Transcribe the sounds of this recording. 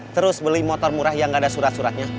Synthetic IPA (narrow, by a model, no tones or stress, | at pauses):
t̪əɾʊsbəlimɔt̪ɔrmuɾahjaŋɡadasuɾat̪̚suɾat̪̚ɲa